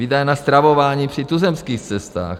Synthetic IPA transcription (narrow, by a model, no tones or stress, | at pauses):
vidajɛnast̪ɾavovaːɲiːpr̝̥it̪uzɛmskiːxt͡sɛst̪a̰ːx